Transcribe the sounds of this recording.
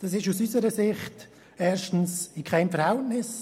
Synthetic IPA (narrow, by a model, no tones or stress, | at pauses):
d̥ɑsɪʃusysəɾəsɪχt | ɛːɾʃtn̩sɪkʰaɪmfəɾhɛltnɪs